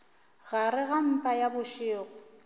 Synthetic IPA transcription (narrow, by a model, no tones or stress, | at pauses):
ɣaɾɪɣam̩pʼajabʊʃɪːɣʊ